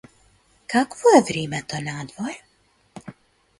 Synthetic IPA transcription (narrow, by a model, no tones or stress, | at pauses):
kakvɔɛvɾʲiːmɛt̪ɔnaːd̪vɔɾ